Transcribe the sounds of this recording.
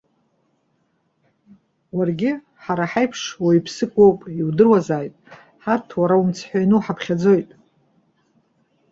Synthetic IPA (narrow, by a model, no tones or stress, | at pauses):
warɡʲɪ | ħaɾaħajpʰʂwaipʰsɨkʷʼowpʼiwdɨrwazaːjtʼ | ħatʰwaɾaumt͡sʰħʷᶣanɨħapʰχʲad͡zo̞jtʼ